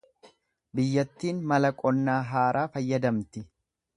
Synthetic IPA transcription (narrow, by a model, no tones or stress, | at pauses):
bɪjːɐt̪ːiːnmɐlɐkʼɔnːaːɦaːɾʔaːfɐjːɐd̪ɐmt̪ɪ